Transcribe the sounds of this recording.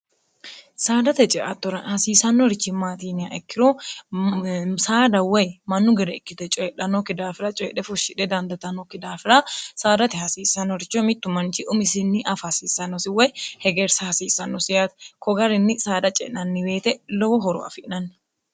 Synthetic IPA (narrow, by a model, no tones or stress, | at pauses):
saːd̪ɐt̪ɛt͡ʃʼɛʔɐt̪ːɔɾɐnhɐsiːsɐnːɔɾɪt͡ʃːɪmaːt̪iːnɪɐʔɛkːɪɾo | saːd̪ɐwɛjmɐnːʊɡɪɾɛɛkːɪt̪ɛt͡ʃʼɛɛᶑɐnokɪd̪aːfɪɾɐt͡ʃʼɛɛᶑɛfʊʃːɪᶑɛd̪ɐnd̪ɐt̪ɐnːokɪd̪aːfɪɾɐsaːd̪ɐt̪ɪhɐsiːsɐnɔɾɪt͡ʃːɔmɪt̪ːʊmɐnt͡ʃɪʔʊmɪsɪnːɪʔɐfɐhɐsiːsːɐnːɔsɪwɛjhɛɡeɾsɐhɐsiːsɐnːɔsɪjat̪kɔɡɐɾɪnːɪsaːd̪ɐt͡ʃʼɛ̰ʔnɐnːɪbe̞ːt̪ɛlɔbɔɦɔɾɔ̰ʔɐ̰fɪʔnɐnː